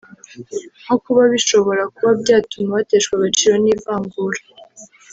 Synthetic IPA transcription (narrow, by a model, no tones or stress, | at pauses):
nokuβaβiʃo̞βo̞ɾakuβabɟaːtumaβateʃkwaβat͡ʃiɾo̞niːvaːŋɡuɾa